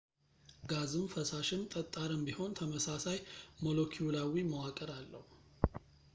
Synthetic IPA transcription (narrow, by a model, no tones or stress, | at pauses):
ɡazɨmfəsaʃɪnt̪ʼət̪ʼːaɾɨmbiho̞nt̪ʰəməsasajmo̞lo̞kʰiulawiməwakʼəɾalːə̰hu